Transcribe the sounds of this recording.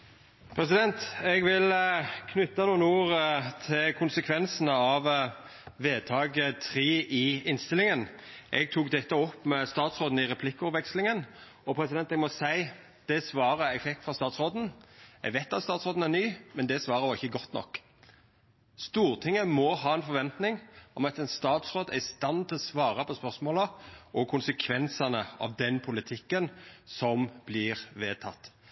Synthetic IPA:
pʰɾɛs̬ɪd̪ɛnt̪ɛɡʋɪlkʰnʉt̪ːɑnuːənuːɾt̪ʰɪlkʰʊnsəkʰʋɛnsənəɑʋ | ʋeːt̪ʰɑːɡət̪ʰɾiːʔɪɪnst̪ɪlːɪŋənʔɛɡ̚t̪ʰuːkd̪ɛt̪ːəɔpːmɛst̪ɑːt̪sʁoːd̪n̩ɪɾɛpʰlɪkːɔpʋɛkslɪŋən | ɔpʰɾɛsɪd̪ɛnt̪ɛɡmɔsæɪ | d̪̥ɛsʋɑːɾəɛɡfɪk̚t̪fʁɑst̪ɑːt̪sʁoːd̪n̩jɛ̰ɡʋæɪt̪ɑt̪st̪ɑːt̪sʁoːd̪n̩æɾnyːmɛnd̪ɛsʋɑːɾəɾʋɑʁɪçːəɡɔt̪ːnɔ̰kː | st̪uːɾt̪ʰɪŋːəmɔɦɑːɛnfɔɾʋɛnt̪nɪŋɔmɑt̪ɛnst̪ɑːt̪sɾoːd̪æ̰ɾɪst̪ɑnt̪ʰɪlɔsʋɑːɾəpʰɔspœʁsmoːləʔɔkʰʊnsəkʰʋɛnsənəɑ̰ʋd̪ɛnpʰʊlɪt̪ʰɪkːənsɔmb̥lɪɾʋeːt̪ʰɑt̪ː

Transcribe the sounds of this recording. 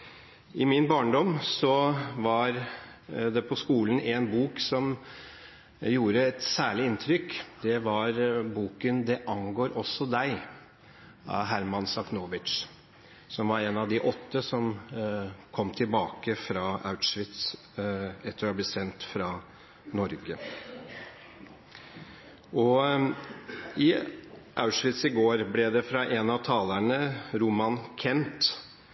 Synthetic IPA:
ɪmɪnbɑːɳɖɔmsɔʋɑɾ | d̪ɛpʰɔskuːln̩ɛnbuːksɔm | juːɾəɛt̪sæːɭɪɪnt̪ʰɾʏkd̪ɛʋɑɾbuːkənd̪ɛʔɑŋɡoːɾʔɔsːɔd̪æɪ | ɑ̰ɦæɾmɑnsɑknoːʋɪt̪ | sɔmʋɑɾɛnɑʋd̪ɪʔɔt̪ːəsɔm | kʰɔmːt̪ʰɪlbɑːkəfɾɑa̰ʉt̪ʂʋɪt̪s | ɛt̪ːəɾɔblɛsɛnt̪fɾɑ | nɔɾɡə | ʔɔ | ɪʔaʉʂʋɪt̪sɪɡoːɾblɛd̪ɛfɾɑʔɛnɑʋt̪ʰɑːləɳəɾumɑnkʰɛnt̪

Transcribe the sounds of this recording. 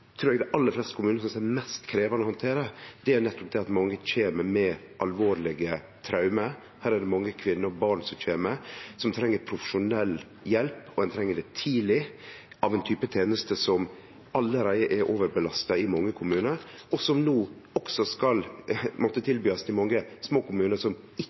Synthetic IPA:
t̪ʰɾʉːɾɛɡd̪ɛʔɑlːəɾflɛst̪ə̥kʰʊmʉːnəsɔmɛsɛmɛst̪kʰɾeːʋɑnəhɑnt̪ʰeːɾəd̪ɛæɾnɛt̪ːʊp̚d̪ɛɑt̪mɑŋːəc͡çeːməɾmɛ | ʔɑlʋoːɾlɪɡə | t̪ʰɾɑʉməɾ | hæːɾæɖɛmɑŋːəkʰʋɪnːəɾbɑɳsɔmc͡çeːməsɔmt̪ʰɾɛŋːəɾpʰɾʊfəʂʊnɛlː | jɛlpɔd̪ɛnt̪ʰɾɛŋːəɖɛt̪ʰiːlɪ | ʔɑʋɛnt̪ʰyːpət̪ʰeːnəst̪əsɔm | ɑlːəɾæɪəʔɛɾʔoːʋəɾbəlɑst̪ɑɪmɑŋːəkʰʊmʉːnəɾ | ɔsɔmnoːɔksɔskɑlmɔt̪ːət̪ʰɪlbyːɑsd̪ɪmɑŋːəsmoːkʊmʉːnəsɔm | ɪ

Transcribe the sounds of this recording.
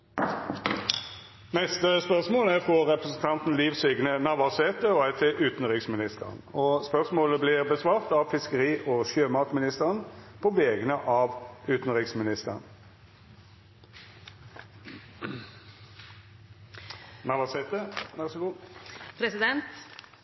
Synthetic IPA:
nɛst̪əspœʁsmoːlæʁfʁɔʁɛpʁəsn̩t̪ʰɑnt̪n̩liːʋsʏɡnənɑʋɑʁseːt̪əɔæɪt̪ʰeʔʉːt̪nʁɪksmɪnɪst̪ə̰ʁə̰nɔspœʁsmoːləblɪʁbəsʋɑːʁt̪ɑʋfɪskəʁiːʔɔʃjøːmɑːt̪mɪnɪst̪əʁənpʰɔʋɛːɡənəʔɑːʋʉːt̪n̩ʁɪksmɪnɪst̪ə̰ʁə̰n | nɑʋɑseːt̪əʋɛʁsɪɡuːpʰɾɛsɪd̪ɛnt̪

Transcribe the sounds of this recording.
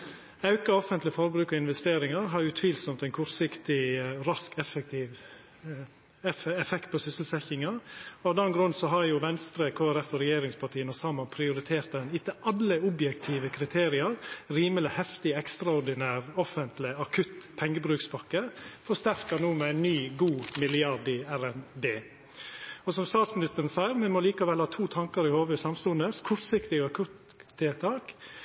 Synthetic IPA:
ɑʉkɑɔfənt̪lɪfɔɾbɾʉːkɔɪnʋɛst̪eːɾɪŋɑɾɦɑɾjʊːt̪ʰʋiːlsɔmt̪ɛɪnkʰɔɾsɪkt̪ɪɾɑskɛfɛk̚t̪iːʋ | ɛɛfɛkt̪̚pʰoːsʏsəl̩sɛçɪŋɑɑːʋd̪ɛnɡɾʉnsɔɦɑɾjʊʋɛnst̪ɾəkʰoːæɾɛfɔɾɛjeːɾɪŋspʰɑʈʰiːənɔsɑːmɑnpʰɾɪʊɾɪt̪ʰeːɾt̪̚d̪ɛnɪt̪ːəʔɑlːəʊbjɛkt̪ʰiːʋəkʰɾɪt̪ʰeːɾɪɑɾɾiːməlɪhɛft̪ɪəɛkst̪ɾɑʊɾɖ̪ɪnæːɾɔfənt̪lɪɑkʰʉt̪pʰɛŋːəbɾʉːkspʰɑkːəfɔʂt̪æɾkɑnuːmɛæɪnnyːɡuːmɪlɪɑɾd̪ɪæɾɛnbeː | ɔsɔmst̪ɑːt̪smɪnɪst̪əɾn̩sæɪəɾmɛmɔliːkɑʋɛlhɑːt̪ʰuːt̪ʰɑŋkɑɾɪhoːʋəsɑmst̪ʉnd̪əskʰʊɾt̪sɪkt̪ɪɡɑkʰʉt̪eːt̪ʰɑːk

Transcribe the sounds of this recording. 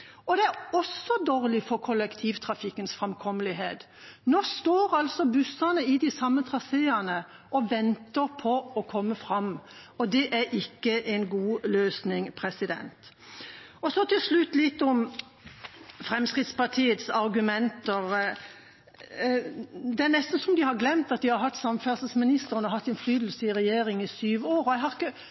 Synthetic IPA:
ɔd̪ɛæɾɔsɔd̪oːɾlɪfɔʁkʰɔlɛkt̪ʰiːʋt̪ʰɾɑfɪkːənsfʁɑmkʰɔmːəlɪɦeːt̪ | noːst̪oːɾɑlsɔbʉsɑnəɪd̪ɪsɑmːət̪ʰɾɑseːənə | ʔɔʋɛnt̪əɾpʰɔɔkʰɔmːəfʁɑmɔd̪ɛʔæɾʔɪkːəʔɛnɡuːløːsnɪŋpʰɾɛsɪd̪ɛ̰nt̪ | ɔsɔt̪ʰɪlʂlʉt̪ːlɪt̪ːɔm | fɾɛmskɾɪt̪spɑʈ̪ʰiːət̪sɑɾɡʉmɛnt̪əʁ | d̪ɛæʁnɛst̪n̩sɔmd̪ɪhɑɾɡlɛmt̪ɑt̪̚d̪ɪhɑɾɦɑt̪ːsɑmfæʁsəsmɪnɪst̪əʁənɔɦɑt̪ːɛnflyːd̪l̩səɪɾɛjeːɾɪŋɪsyːʋoːɾɔjɛɪhɑɾʁɪkːə

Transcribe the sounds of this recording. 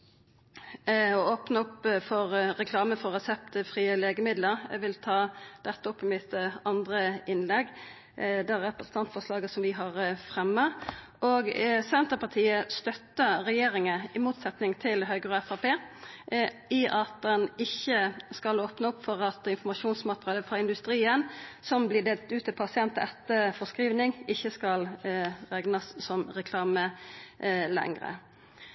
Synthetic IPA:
ɔoːpnəʊpːfɔʁʁɛkʰlɑːməfɔʁɛsɛpt̪əfɾiːəleːɡəmɪd̪ləɾʋɪlt̪ʰɑːd̪̥ɛt̪ːəʊpːɪmɪt̪ɑnd̪ʁəɪnlɛɡː | d̪æʁɛpɾəsən̩t̪ʰɑnt̪fɔʁslɑːɡəsɔmʋɪɦɑʁfʁɛmːɑ | ʔɔɡsɛnt̪əpɑt̪ʰiːəst̪œt̪ːəɾɛjeːɾɪŋəɪmuːt̪sɛt̪nɪŋt̪ʰɪlɦœʏɡɾəɛfɑpeː | ɪʔɑt̪̚d̪ɛnɪçːəskɑloːpnəʊpːfɔʁɑt̪ɪnfɔmɑʃuːnsmɑt̪ʁɑd̪əfʁɑɪnd̪ʉst̪ɾiːənsɔmblɪd̪eːlt̪ʉːt̪əpʰɑsɪɛnt̪əɛt̪ːəfɔʁskɾiːʋnɪŋɪçːəskɑlʁɛɡnɑsːɔmʁɛkʰlɑːmə | lɛ̰ŋʁə̰

